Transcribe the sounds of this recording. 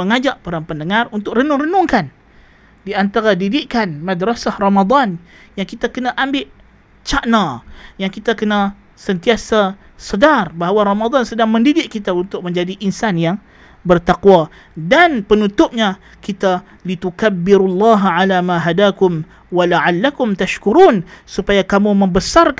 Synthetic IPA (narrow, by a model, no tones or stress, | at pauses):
əŋad͡ʒaʔpəɾaŋpəndəŋarunt̪ʊkrənʊŋrənʊŋkan | diant̪aɾadidɪʔkanmadɾasahramad̪ˤɑn | jaŋkit̪akənaʔambɪʔ | t͡ʃaʔnajaŋkit̪akəna | sənt̪iasa | sədarbaɦwaɾamad̪ˤansədaŋmə̃ndidɪʔkit̪aunt̪ʊk̚mə̃ɲd͡ʒadiʔinsanjaŋ | bərt̪akwa | danpənut̪ʊp̚ɲa | kit̪a | lit̪ukabːɪɾulːɑɦʕalamãɦadakʊm | walaʕalːakʊmt̪aʃkuɾuːnsupajakamumə̃mbəsark